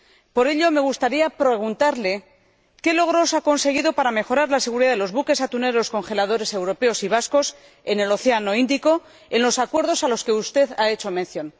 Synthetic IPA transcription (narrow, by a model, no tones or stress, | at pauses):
po̞ɾe̞ʎo̞me̞ɣ̞ust̪aɾiapɾeɣ̞unt̪aɾle̞ | ke̞lo̞ɣ̞ɾo̞sako̞nse̞ɣiðo̞paɾame̞xo̞ɾaɾlase̞ɣ̞uɾiðaðelo̞zβuke̞sat̪une̞ɾo̞sko̞nxe̞lað̞o̞ɾe̞se̞wɾo̞pe̞o̞siβ̞asko̞s | e̞ne̞lo̞θe̞ano̞ind̪iko̞ | enlo̞sakwe̞ɾð̞o̞salo̞ske̞ust̪e̞ðae̞t͡ʃo̞menθjon